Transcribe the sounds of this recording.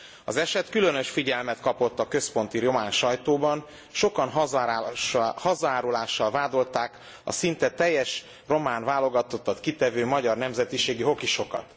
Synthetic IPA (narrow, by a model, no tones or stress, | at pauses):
ɒzɛʃɛt̪kylø̞nø̞ʃfiɟɛlmɛt̪kɒpo̞t̪ːɒkø̞spo̞nt̪iɾo̞maːnʃɒjt̪oːbɒn | ʃo̞kɒnɦ | hɒzɒaːɾulaːʃːɒlvaːd̪o̞lt̪aːk | ɒ̰sint̪ɛt̪ɛjːɛʃ | ro̞maːnvaːlo̞ɡɒt̪o̞t̪ːɒt̪kit̪ɛvøːmɒɟɒrnɛmzɛt̪iʃeːɡiɦo̞kiʃo̞kɒ̰t̪